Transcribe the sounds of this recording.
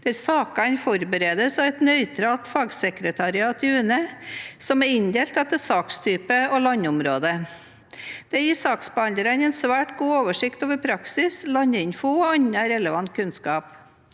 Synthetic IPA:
d̪̥æɾsɑːkɑnfɔɾbəɾeːd̪əsɑʋɛt̪nœʏt̪ʰɾɑt̪fɑːɡsɛkɾət̪ʰɑɾɪɑːt̪əʉːnəsɔmæɪnd̪eːlt̪ɛt̪əsɑːkst̪ʰyːpəɔlɑɲːəʊmɾoːd̪ə | d̪̥ɛjiːsɑːksbəhɑnd̪əɾɑnɛnsʋæːʈɡuːoːʋəʂɪkt̪oːʋəɾpʰɾɑksɪslɑɲəɪnfʊɔɑɲːɑɾɛləʋɑnt̪̚kʰʉnskɑːp

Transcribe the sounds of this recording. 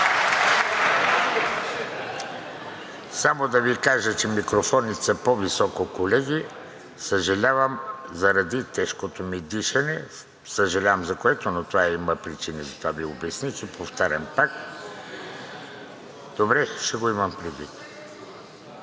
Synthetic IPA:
samod̪ɐvikaʒət͡ʃɛmikɾofɔnit̪səpɔvisɔkokolɛɡi | səʒɐlʲavəmzɐɾɐd̪it̪ɛʃkot̪omid̪iʃɐnɛ | səʒɐlʲavəmzɐkoɛt̪onot̪ovaiməpɾit͡ʃinizɐt̪ovaviobɛsnit͡ʃɛpoft̪aɾʲɐmpak | d̪̥obɾɛʃɛɡoimɐmpɾid̪vit̪

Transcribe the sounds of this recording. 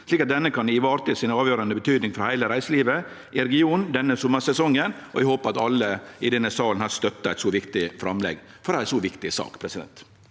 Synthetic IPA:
sliːkɑt̪̚d̪ɛnːəkʰɑnɪʋɑːɾt̪əsɪnɑːʋjøːɾɑnəbət̪ʰyːd̪nɪŋfɾɑhæɪləɾæɪsəliːʋə | ʔɪɾɛɡɪuːnd̪ɛnːəsɔmːəsɛsɔŋːənɔɛɪhoːpəɑt̪ɑlːəɪd̪ɛnːəsɑːln̩hɑːɾst̪œt̪ːɑæɪt̪sɔːʋɪkt̪ɪfɾɑmlɛ̰ɡfɔɾd̪æɾæsɔʋɪkt̪ɪsɑ̰ːkpʰɾɛsɪd̪ɛ̰nt̪

